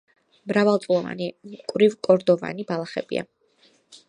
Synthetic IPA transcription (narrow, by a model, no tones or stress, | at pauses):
mɾavalˠt̪sʼlˠɔva̰nikʼvɾivkʼɔɾd̪ɔva̰nibalˠaχɛbḭa̰